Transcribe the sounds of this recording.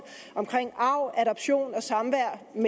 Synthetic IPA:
ɒ̽mkʰʁeŋ̰ɑ̈ʊ̰æɾɒb̥ɕo̝̰ːnɒ̽sɑ̈mʋæɐ̰m

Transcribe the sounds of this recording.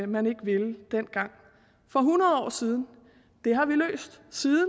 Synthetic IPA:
mæne̝ɡ̥əʋe̝ld̥en̰ɡ̥ɑ̈ŋ̰ | fɒ̽ɦunɐð̞̩ˠɒ̰ːsiːð̞ˠn̩ | d̥e̝ɦɑ̈ʋilø̰ːsd̥siːðˠn

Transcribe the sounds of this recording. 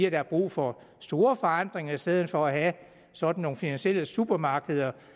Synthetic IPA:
æd̥ɑæɐb̥ʁṵːfɒ̽ | sd̥o̝ːɐfɒ̽ɑn̰d̥ʁeŋɐisd̥eð̞̰ˠn̩fɒ̽æɦæ | sɒ̽d̥n̩ːo̝ːŋ̩finænɕiel̰əsub̥ɐmɑ̈ːɡ̥əðˠɐ

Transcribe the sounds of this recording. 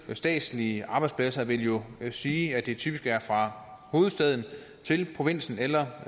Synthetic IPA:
sd̥ɛ̰ːd̥sliəʔɑ̈b̥ɑ̈ɪd̥spʰlæsɐʋe̝ljo̝siːæd̥e̝t͡sʰyːb̥isɡ̥æɐfʁɑ̈ho̝ːð̞̩ˠsd̥ɛð̞̰ˠn̩ | t͡sʰe̝lpʰʁo̝ʋe̝n̰sn̩elɐ

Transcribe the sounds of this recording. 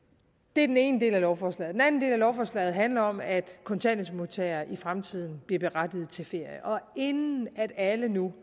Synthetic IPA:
d̥e̝æɐdene̝ːnəd̥e̝̰ːlælɒʊfɒːslɛ̰ːð̩d̥enæn̩d̥e̝̰ːlælɒʊfɒːslɛ̰ːð̩ˠɦænlɐɒ̽mæd̥kʰɒ̽nt͡sʰænesmo̝t͡sʰɛːɐʔifʁamt͡sʰið̞̰ˠn̩b̥liɐb̥e̝ʁad̥ið̞̩ˠt͡sʰe̝lfe̝ɐ̰jəʔɒ̽e̝nnn̩æd̥ælənu

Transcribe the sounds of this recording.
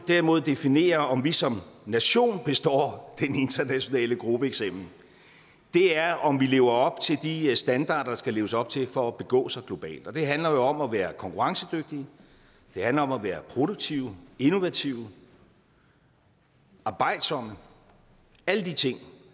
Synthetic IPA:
d̥æɐimo̝ð̞̰ˠd̥e̝fine̝̰ːɐɒ̽mʋisɒ̽mnæɕo̝̰ːnb̥e̝sd̥ɒ̰ːd̥ene̝nd̥ɐnæɕo̝nɛ̰ːləɡ̥ʁub̥əeɡ̥sem̰̥l̩ | d̥e̝æɐʔɒ̽mʋile̝ːʊɐɒ̽b̥t͡sʰe̝ld̥isd̥ænd̥ɑ̰̈ːɾ̥ɐdɑ̈sɡ̥æle̝ːʊəsɒ̽b̥̚t͡sʰe̝lfɒ̽æb̥e̝ɡ̥ɔ̰̽ːsɑ̈ɪɡ̥lo̝b̥ɛ̰ːld̥ɒ̽d̥e̝ɦænlɐjo̝ɒ̽mæʋæːɐkʰɒ̽ŋkʰuʁɑ̈ŋsəd̥øɡ̥̚d̥iə | d̥e̝hænlɐɒ̽mæʋæːɐpʰʁo̝ɾ̥oɡ̥̚t͡sʰiʊe̝no̝ʋæt͡sʰiʊ | ʔɑ̈ːb̥ɑ̈ɪ̰d̥sɒ̽m̰ə | æləd̥it͡sʰe̝ŋ̰

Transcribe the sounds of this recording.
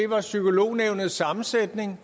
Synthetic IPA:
e̝ʋɑ̈sykʰo̝lo̝̰ːneʊnəð̩ˠsɑ̈mn̩sed̥ne̝ŋ

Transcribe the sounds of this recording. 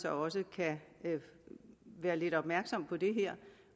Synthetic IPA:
sɒɒ̽səkʰæ | ʋæːɐle̝d̥ɒ̽b̥mæɐɡ̥sɒ̽m̰pʰɒ̽d̥e̝ɦeɐ̰

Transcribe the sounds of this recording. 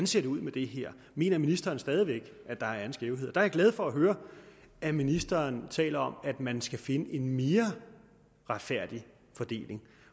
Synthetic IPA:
nse̝ɐd̥e̝uð̰ˠmed̥e̝ɦeɐ̰ | me̝̰ːnɐminisd̥ɐːnsd̥ɛːð̞ˠiʋeɡ̥ | æd̥ɑ̈æɐɐn̩sɡ̥eːʊɦeðˠd̥ɑɐɡlɛð̞̩ˠfɒ̽æɦøːɐ | æminisd̥ɐːnt͡sʰɛ̰ːlɐɒ̽mæd̥mænsɡ̥æfe̝nəʔe̝nme̝ːɐ | ʁäd̥fæɐ̰d̥i | fɒ̽d̥e̝̰ːle̝ŋ

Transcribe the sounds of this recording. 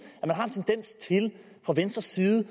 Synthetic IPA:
æmænɦɑ̈e̝nt͡sʰend̥en̰st͡sʰe̝l | fʁɑ̈ʋensd̥ʁɐsiːð̩ˠə

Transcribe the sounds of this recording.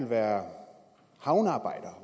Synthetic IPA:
lʋæːɐ | hɑ̈ʊnɑ̈ːb̥ɑ̈ɪ̰d̥ɐ

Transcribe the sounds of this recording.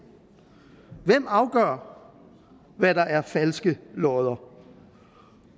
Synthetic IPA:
ʋem̰ɑ̈ʊɡ̥œ̰ɐ̰ | ʋædɑ̈ʔæɐfælsɡ̥əlɒːð̞ˠɐ

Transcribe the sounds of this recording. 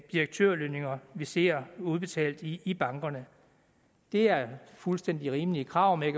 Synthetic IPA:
d̥iɐɡ̥̚t͡sʰøɐ̰løne̝ŋɐʋise̝̰ɐ̰uð̞ˠb̥e̝t͡sʰɛ̰ːld̥iːb̥ɑ̈ŋɡ̥ɐnə | d̥e̝æɐfulsd̥en̰d̥iʁiːmliəkʰʁɑ̈ːʊ̰me

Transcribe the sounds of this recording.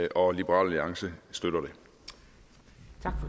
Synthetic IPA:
ʔɒ̽lib̥əʁɑ̰̈ːlːiɑ̈ŋsəsd̥øɾ̥ɐɾ̥e̝ | t͡sʰɑɡ̥f

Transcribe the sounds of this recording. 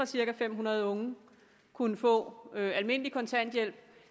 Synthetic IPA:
ɐsiɐkæfem̰ɦunɐð̞̩ˠɔ̽ŋə | kʰunəfɔ̰̽ːøælme̝n̰əlikʰɒ̽nt͡sʰæn̰d̥jel̰b̥

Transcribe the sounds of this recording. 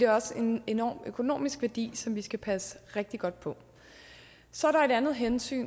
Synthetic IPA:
d̥eɒ̽se̝ne̝nɒ̰ːmøkʰo̝no̝̰ːmisɡ̥ʋæɐd̥ḭːsɒ̽mʋisɡ̥æpʰæsə̥ʁeɡ̥̚d̥iɡ̥ɒ̽d̥̚pʰɒ̽ | sɒæɐɾɑ̈e̝ɾ̥ænð̩ˠɦensy̰ːn

